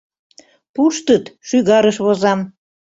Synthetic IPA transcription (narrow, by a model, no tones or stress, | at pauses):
puʃt̪ət̪ʃyɣɑɾəʃβozɑm